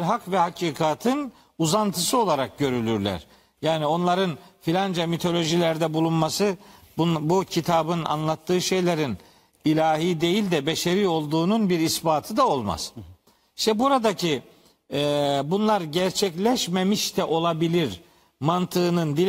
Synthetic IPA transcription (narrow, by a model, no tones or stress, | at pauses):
ɾɦakvɛhacʰiːkʰaːt̪ʰɯn | uzant̪ʰɯsɯo̞lˠaɾak̚ɟø̞ɾylʲyɾlʲæ̰ɾ̥ | jaːnio̞nlˠaɾɯnfilʲand͡ʒamit̪ʰo̞lʲo̞ʒilʲæɾd̪ɛbulˠunmasɯ | bbucʰit̪ʰabɯna̰nlˠat̪ʰːɯːʃe̞jlʲeɾin | ilʲaːɦiːd̪e̞jilʲd̪ɛbeʃeɾio̞lˠd̪uːnunbiɾisbaːt̪ʰɯd̪ao̞lˠma̰z̥ | iʃt̪ʰɛbuɾad̪acʰi | ɛbunlˠaɾɟæɾt͡ʃʰɛclʲɛʃmemiʃt̪ʰɛʔo̞lˠabilʲiɾ | mant̪ʰɯːnɯnd̪i